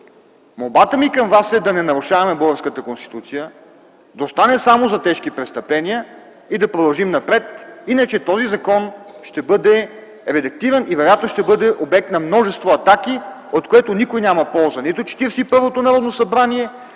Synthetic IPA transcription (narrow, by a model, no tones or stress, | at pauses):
molˠbat̪əmikəmvasɛd̪ɐnɛnɐɾʊʃavɐmɛbuɡəɾskət̪əkonst̪i̥t̪ut̪sijə | d̪ɐost̪anɛsamozɐt̪ɛʃk̟ipɾɛt̪st̪ɐplɛnʲijə | id̪ɐpɾod̪ɐlˠʒimnɐpɾɛt̪inət͡ʃɛt̪ɔzizɐkɔnʃt̪ɛbɤd̪ɛ | ɾɛd̪ɐk̚t̪ivənivɛɾojat̪noʃt̪ɛbɤd̪ɛʔobɛk̚t̪nɐmnɔʒɛst̪voɐt̪ak̟i | ot̪koɛt̪onikojnʲamɐpɔlˠzənit̪ot͡ʃɛ̥t̪iɾsiipɤɾvot̪onɐɾɔd̪nosɐbɾaniɛ